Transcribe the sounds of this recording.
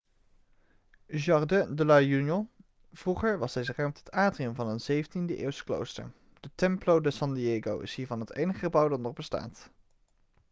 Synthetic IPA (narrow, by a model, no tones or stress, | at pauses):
ʒɑrdɛdəlajynjɔ | v̥ruχəɹʋɑsɛjzərœmtətaːdriəmvɑnənzejvəntindəʔɪ̰ːwstə̥klo̰wstə̰ɹ | d̥ətɛmplowdəsɑndieɡowɪ̰sɦiːɹvɑnɦətejnəχəχəbʌwdɑtdɔrbəsta̰ːt